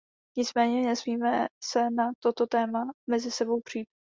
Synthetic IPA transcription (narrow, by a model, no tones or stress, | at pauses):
ɲɪt͡smɛːɲɛnɛsmiːmɛsɛnat̪o̞t̪o̞t̪ɛːmamɛzɪsɛbo̞wpr̝̥iːt̚